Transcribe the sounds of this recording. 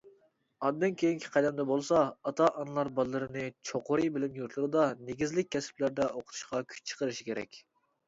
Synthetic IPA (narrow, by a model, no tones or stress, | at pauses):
ɑd̪ːɨnkʲʰejiŋkʲʰɪ̥qʰæd̪ɛmd̪ɛbolˠsɑɑt̪ʰɑʔɑnɨlˠɑɾbɑlˠːɨɾɨnɨt͡ʃʰoqʰʊɾɨbɪlɪmjuɾt̪ʰlˠɨɾɨd̪ɑneɡʲizlɪk̚ʲʰːɛsɪ̥plæɾd̪ɛʔoqʰʊt̪ʰu̥ʃqɑkʲʰy̥t͡ʃt͡ʃʰə̥qəɾɨʃi̥kʲʰeɾɛ̰kʲ